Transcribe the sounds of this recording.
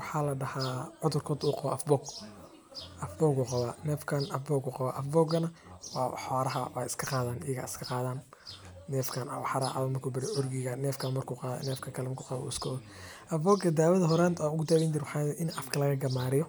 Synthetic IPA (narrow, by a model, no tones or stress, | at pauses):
wɑħaːlɐɖɐhaːʕʊðʊrkʰɔːd̪uːqɑβɔ̰ʔɐfbɔːɡ | ʔɐfbɔːɡuːqɑβaːnɛːfkʰanɐfbɔːɡuːqɑβaːʔɐfbɔːɡɐnɐwɑːħɔːɾɐɦɐ̰wa̰ːɪskʰɐqɑːðaːnʔɪjɐɣa̰ːɪskʰɐqɑːðaːnː | ɛːfkʰaːna̰wħɑɾaːʕa̰βɐmɐrkʰuːbɪɾɛʔɔrɡɪɣɐnɛːfkʰamɐrkʰuːqɑːðɐ̰nɛːfkʰɐkʰɐlɛmɐkʰuːqɑβṵːɪskʰɔːðɔ | ʔɐfbɔːɡɐd̪aːwɐðɐɦɔɾaːnt̪ʰaːʊɣʊt̪awɛːnd͡ʒɪɾwʊħɑːɛːdɛʔɪnʔɐfkʰɐlɐɣɐɡɐmaːɾɪjɔ